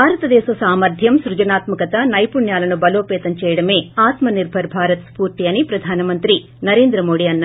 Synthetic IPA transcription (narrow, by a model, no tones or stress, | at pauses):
aːɾɐt̪ɐd̪ɛːsɐsaːmɐɾd̪ʱjɐmsɾud͡ʒɐnaːt̪mɐkɐt̪ɐnɐjpuɳjaːlɐnubɐloːpɛːt̪ɐmt͡ʃɛːjɐɽɐme̞ːaːt̪mɐniɾbʱɐɾbʱaːɾɐt̪spuːɾt̪ijɐnipɾɐd̪ʱaːnɐmɐnt̪ɾi | nɐɾe̞ːnd̪ɾɐmo̞ːɽiɐnː